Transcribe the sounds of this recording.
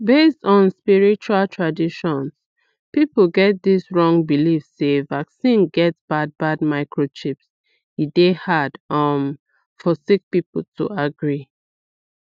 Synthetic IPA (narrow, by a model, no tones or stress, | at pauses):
bestɔ̃nspiɹit͡ʃualtʰɹadiʃɔ̃ns | pipl̩ɡɛt̚disɹɔ̃ŋbilifssevaksĩnɡɛtsb̥ad̚bad̚maɪkʰɹot͡ʃips | hidehadan | fɔsik̚pipl̩tʰṵaɡɹi